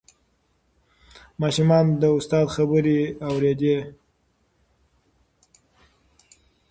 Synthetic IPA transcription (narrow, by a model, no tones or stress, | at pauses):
mɑʃumɑnd̪əʊst̪ɑd̪xabəɾeawɾed̪e